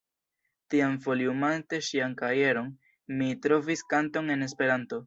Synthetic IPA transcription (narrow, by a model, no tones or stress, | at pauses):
tiamfo̞liumante̞ʃiaŋkaje̞ɾo̞n | mitɾo̞viskanto̞ŋe̞ne̞spe̞ɾanto̞